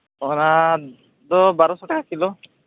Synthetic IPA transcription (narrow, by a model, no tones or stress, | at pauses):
ɔna | d̪ɔbaɾɔsɔʈakakilɔ